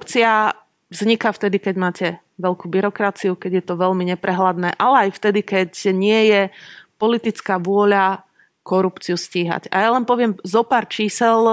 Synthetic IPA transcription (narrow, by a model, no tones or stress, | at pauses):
pt͡sia | vzɲikaft̪ɛd̪ikɛɟmaːcɛ | ʋɛlkubiɾɔkɾat͡siukɛɟjɛt̪ɔʋɛʎmiɲɛpɾɛɦlad̪nɛːʔalɛajft̪ɛd̪ikɛcɲɪɛjɛpɔlit̪it͡skaːʋʊɔʎa | kɔɾupt͡siusciːɦa̰ɟa̰jalɛnpɔʋɪɛmzɔpaːɾt͡ʃiːsɛl